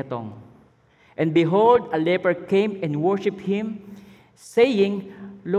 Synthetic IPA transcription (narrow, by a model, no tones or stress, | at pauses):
t̪o̰ŋ | ʔɛ̃nbɪɦold̪ɐlɛpɛɹkẽjmɛ̃nd̪wɔɹʃɪp̚hɪ̃m | sejɪ̃ŋlo